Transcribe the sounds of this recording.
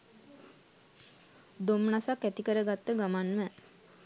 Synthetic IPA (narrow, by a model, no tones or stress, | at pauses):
d̪omnasakːæt̪ikəɾəɡat̪ːəɡamanmə